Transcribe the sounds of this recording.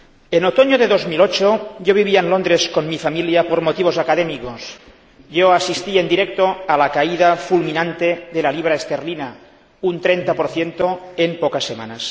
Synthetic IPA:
enot̪oɲoðeðozmilot͡ʃoʝoβ̞iβ̞iaenlond̪ɾeskonmifamiljapoɾmot̪iβ̞ozakaðemikos | joasist̪iend̪iɾek̚t̪oalakaiðafulminant̪eðelaliβ̞ɾaest̪eɾlina | unt̪ɾent̪apoɾθjent̪oempokasːema̰nas

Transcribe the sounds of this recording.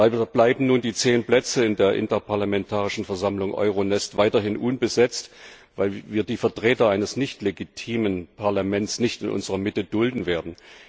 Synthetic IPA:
blaɪbm̩nuːndiːt͡seːnpl̥ɛt͡səɪndeːɐʔɪ̰ntɐpʰaɐlamɛntʰaːʁɪʃn̩fɛɐzamlʊŋʔɔ̰ʏʁonɛstv̥aɪtɐɦɪnʔʊnbəzɛt͡st | vaɪlviːɐdiːfɛɐtʁ̥eːtɐaɪnəsnɪçtleɡitʰiːmənpʰaɐlamɛntt͡snɪçtɪnʔʊ̰nzəʁɐmɪtəd̥ʊldn̩veːɐdn̩

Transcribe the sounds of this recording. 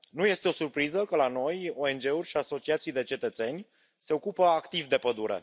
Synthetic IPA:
nuje̞st̪e̞o̞surpɾizəkəlano̞jo̞e̞nd͡ʒe̞urʲʃiaso̞t͡ʃiat̪sijd̪e̞t͡ʃe̞t̪ət̪se̞nʲ | se̞o̞kupəakt̪ivd̪e̞pəd̪uɾḛ

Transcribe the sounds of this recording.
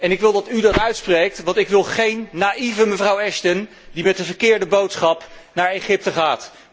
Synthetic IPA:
ɛnɪkʋɪlˠdɑtydɑtœɥtsprejk̚tʋɑntɪkʋɪlˠχejnːaʔivəməvrʌwɛʃtən | dimɛt̚dəvəɹkɪːɹdəbowtsχɑpnaːɹejχɪp̚təχaːt

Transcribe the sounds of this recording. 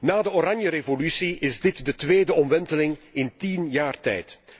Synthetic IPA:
naːdəoɾɑnjəɾevolysiʔɪzdɪtdətʋeːdəɔmʋɛntəlɪŋɪntinjaːrtɛ̰jt

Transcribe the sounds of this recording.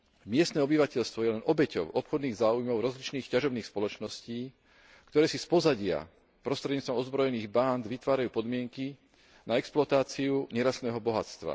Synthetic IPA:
mɪɛst̪nɛːɔbiʋacɛʎst̪ʋɔjɛlɛnɔbɛcɔ̰ʊʔɔpxɔd̪niːɣzaːujmɔʊɾɔzlit͡ʃniːxcaʒɔbniːxspɔlɔt͡ʃnɔsciː | kt̪ɔɾɛːsispɔzaɟɪa̰ | pɾɔst̪ɾɛdɲiːt͡st̪ɔmɔzbɾɔjɛniːɣband̪ʋit̪ʋaːɾajuːpɔd̪mɪɛŋki | naɛksplɔat̪aːt͡siuɲɛɾast̪nɛːɦɔbɔɦat͡st̪ʋa̰

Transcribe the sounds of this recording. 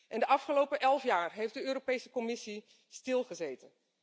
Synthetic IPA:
ʔɛndəʔɑfχəlowpəʔɛlˠfjaːɹɦejfdəøːɾopejsəkɔmɪsi | stɪlˠχəzejtən

